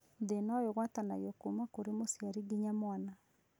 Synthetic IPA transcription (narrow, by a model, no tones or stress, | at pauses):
denajoɣwatanajɔkumakoɾemosjaɾiɡiɲamwana